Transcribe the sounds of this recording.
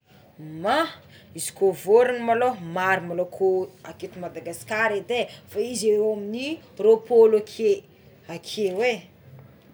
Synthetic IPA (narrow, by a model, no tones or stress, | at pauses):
ma | izi̥kovoɾanəmalomaɾimalokʰoaket̪imad̪aɡasi̥kaɾed̪efaizeɾoamini | ropolakʰe | akʰewe